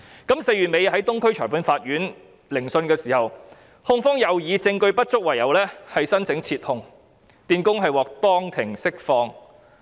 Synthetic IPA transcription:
kɐ˨˥mse˧jɥyː˨˩t̚me˨˧jɦɐ˨˥jt̪ʊ˥ŋkʰɵ˥ɥt͡ʃʰɔː˨˩puː˨˥nfaː˧t̚jyː˨˥n | lɪ˨˩ŋsɵ˧nkɛː˧siː˨˩hɐ˨w | hʊ˥ŋfɔː˥ŋjɐ˨˩wjiː˨˧t͡sɪ˧ŋkɵ˧ɥpɐ˥t̚t͡sʊ˥k̚wɐ˨˩jɐ˨˩wlɛː˥hɐ˨jsɐ˥nt͡sʰɪ˨˥ŋt͡sʰiː˧t̚hʊ˧ŋ | t̪iː˨nkʊ˥ŋɦɐ˨jwɔː˨k̚t̪ɔː˥ŋt̪ʰɪ˨˩ŋsɪ˥k̚fɔː˧ŋ

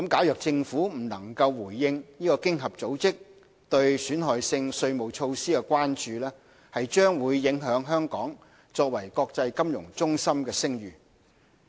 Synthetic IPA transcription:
kɐ˨˥mkaː˨˥wjœː˨k̚t͡sɪ˧ŋfuː˨˥m̩˨˩nɐ˨˩ŋkɐ˧wwuː˨˩jːɪ˧ŋniː˥kɔː˧kɪ˥ŋɦɐ˨p̚t͡so˨˥wt͡sɪ˥k̚ | t̪ɵ˧ɥsyː˨˥nɦɔː˨jsɪ˧ŋsɵ˧ɥmo˨wt͡ʃʰo˧wsiː˥kɛ˧kʷaː˥nt͡ʃyː˧lɛː˥ | hɐ˨jt͡ʃœː˥ŋwuː˨˧jːɪ˨˥ŋɦœː˨˥ŋɦœː˥ŋkɔː˨˥ŋ | t͡ʃɔː˧k̚wɐ˨˩jkɔː˧k̚t͡sɐ˧jkɐ˥mjʊ̰˨˩ŋt͡sʊ˥ŋsɐ˥mkɛː˧sɪ˥ŋjyː˨˩

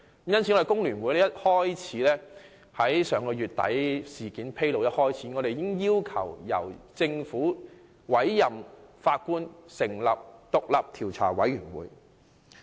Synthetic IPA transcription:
jɐ˥nt͡sʰi˨˧ŋɔ˨˧˥e˨˩kʊ˥ŋlyː˨˩nwuː˨˧jlɛː˥jɐ˥t̚hɔː˥jt͡sʰiː˨˥lɛː˥ | hɐ˨˥jsœː˨˧ŋkɔː˧jyː˨t̚t̪ɐ̰˨˥jsiː˨˩kiː˨˥npʰe˥jlo˨˧wjɐ˥t̚hɔː˥jt͡sʰiː˨˥ŋɔː˨˧ɾe˨jɪ˥ŋjiː˥wkʰɐ̰˨˩wjɐ̰˨˩wt͡sɪ˧ŋfuː˨˥ | wɐ˨˥jːɐ˨mfaː˧t̚kuː˥nsɪ˨˩ŋlɐ˨p̚t̪ʊ˨k̚lɐ˨p̚t̪ʰiː˨˩wt͡sʰa̰ː˨˩wɐ˨˥jyː˨˩nwṵː˨˥j

